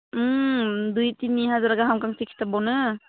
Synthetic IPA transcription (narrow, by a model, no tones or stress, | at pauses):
dujtiniɦazaɾaɡaɦamkaŋsikʰi̥tabɔnɯ